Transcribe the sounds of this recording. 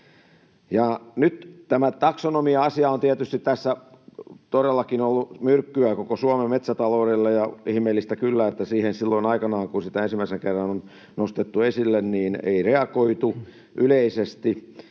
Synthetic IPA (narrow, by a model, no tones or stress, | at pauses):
jɑnyt̪t̪æmæt̪ɑksonomiɑɑsiɑont̪iæt̪yst̪it̪t̪æsːæ | t̪oɾelːɑkinolːumyrkːyækokosuɑmemmet̪sæt̪ɑloːrelːejɑihmeːlːist̪ækylːæet̪ːæsiːhensilːoinɑikɑnɑːŋkunsit̪æensimæiseŋkerːɑnon | nost̪et̪ːuesilːenniːnḛireɑkoit̪u | ʔyleisest̪i